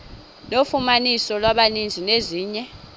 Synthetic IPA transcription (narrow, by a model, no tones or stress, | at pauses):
nofumanisɔlwaɓanind͡zʱineziːɲɛ